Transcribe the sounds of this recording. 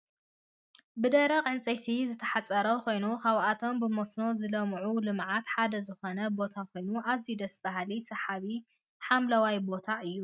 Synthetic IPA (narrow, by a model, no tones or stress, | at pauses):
bɨd̪ɐɾɐqʼʕɨnt͡sʼɐt̪ʰizɨt̪ʰɐħat͡sʼːɐɾɐkʰo̞jnukʰaβʔat̪ʰo̞mbɨmo̞sno̞zɨlɐmʕulɨmʕat̪ħad̪ɐzɨxo̞nɐbo̞t̪ʰakʰo̞jnuʔazijud̪ɐsbaɦlisɐħaβi | ħamlɐwajbo̞t̪ʰaʔɨjːu